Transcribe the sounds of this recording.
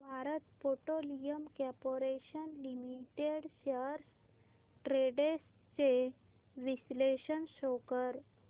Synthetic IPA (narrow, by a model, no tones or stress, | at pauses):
bʱaɾət̪poʈolijəmkapoɾeɕənlimiʈeɽɕəɾs | ʈɾeɖes | t͡ɕe | ʋisleɕənɕokəɾ